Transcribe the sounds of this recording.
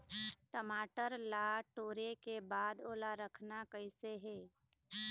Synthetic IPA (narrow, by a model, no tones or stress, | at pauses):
ʈəmaːʈəɾlaʈoːɾekebaːd̪oːlaɾəkʰnakəɪseɦɛː